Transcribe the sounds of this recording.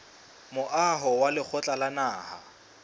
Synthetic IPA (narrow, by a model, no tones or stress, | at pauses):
mʊʔaɦɔwalɪk͡xʰɔt͡ɬʼalanaːha